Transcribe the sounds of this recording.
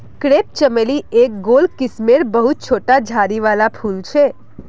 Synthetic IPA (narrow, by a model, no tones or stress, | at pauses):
kɾep̚t͡ʃəmeliek̚ɡolkɪsmeɾbəɦut̪̚t͡ʃʰoʈad͡ʒʱaɾiʋalapʰult͡ʃʰe